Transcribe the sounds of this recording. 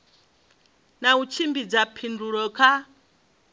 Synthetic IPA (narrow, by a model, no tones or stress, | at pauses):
naut͡ʃʰimbid͡zapʰinduɾɔkʰa